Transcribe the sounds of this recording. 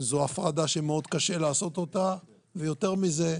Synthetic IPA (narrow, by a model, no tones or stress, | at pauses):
zoafʁad̪aʃemeo̞d̪kaʃe̞laːso̞t̪o̞t̪a | vejo̞t̪e̞ʁmize̞